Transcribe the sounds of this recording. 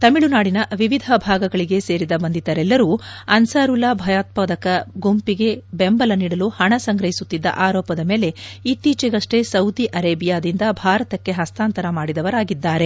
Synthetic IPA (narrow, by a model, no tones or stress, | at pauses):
t̪ɐmiɭunaːɽinɐʋiʋid̪ʱɐbʱaːɡɐɡɐɭiɡe̞se̞ːɾid̪ɐbɐnd̪id̪ɐɾɛlːɐɾuːɐnsaːɾulaːbʱɐjaːt̪̚pɐd̪ɐkɐɡompiɡe̞bembɐlɐniːɽɐluhɐɳɐsɐŋɡɾɐɦisut̪ːid̪ːɐ̰ʔaːɾɔːpɐd̪ɐme̞ːleit̪ːiːt͡ʃiɡɐʂʈe̞sɐwd̪iʔɐɾeːbijaːd̪ind̪ɐbʱaːɾɐt̪ɐkːe̞ɦɐst̪aːnt̪ɐɾɐmaːɽid̪ɐʋɐɾaːɡid̪ːaːɾe̞